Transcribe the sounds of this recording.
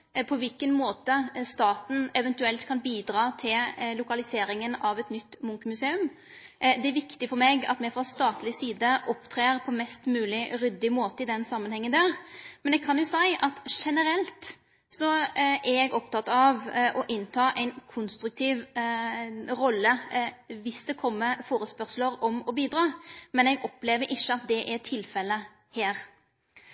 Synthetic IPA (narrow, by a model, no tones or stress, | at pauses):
pʰɔʋɪlkənmoːt̪əst̪ɑːt̪n̩ɛʋɛnt̪ʉɛlt̪kʰɑnbiːd̪ɾɑːt̪ʰɪllʊkɑlɪseːɾɪŋənɑʋɛt̪nʏt̪ːmʊŋkəmʉseːʉm | d̪ɛæɾʋɪkt̪ɪfɔɾmeːɡɑ̰t̪mɛfʁɑst̪ɑːt̪lɪsiːd̪əʔɔpt̪ʰɾeːɾpʰɔmɛst̪mʉːlɪɾʏd̪ːɪmoːt̪əɪd̪ɛnsɑmːənhɛŋːənd̪æːʁmɛnɛkʰɑnjʊsæɪʔɑt̪ʂɛnəɾɛlt̪ | sɔʔɛɾɛɡɔpt̪ʰɑt̪ɑʋʔɔʔɪnt̪ʰɑːʔæɪnkʰʊnst̪ɾʉk̚t̪ʰiːʋ | ɾɔlːəʋɪsd̪ɛkʰɔmːəfoːɾəspœʁsləɾɔmɔbiːd̪ɾɑːmɛnɛɡɔpleːʋəɾʔɪʃːəɑt̪̚d̪ɛʔɛʈ̪ʰɪlfɛlːə | heːɾ